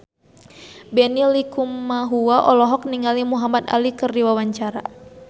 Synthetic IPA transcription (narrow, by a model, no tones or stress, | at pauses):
bɛnilikumːaɦuaʔɔlɔɦɔk̚niŋalimuɦamat̪a̰likɨrdiwawaɲt͡ʃaɾa̰